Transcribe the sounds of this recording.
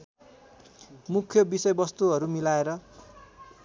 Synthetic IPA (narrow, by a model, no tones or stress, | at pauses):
mukʰːjobisʌjbʌst̪uɦʌɾumilaeɾʌ